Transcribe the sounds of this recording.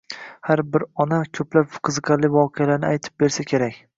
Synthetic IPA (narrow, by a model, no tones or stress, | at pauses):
haɾbɪɾɒnakʲʰɵplapfqʰɨzɨqʰɑɾlɪvɒqʰɨjalaɾnɪajt̪ʰɪ̥p̚be̞ɾsakʲʰe̞ɾakʲ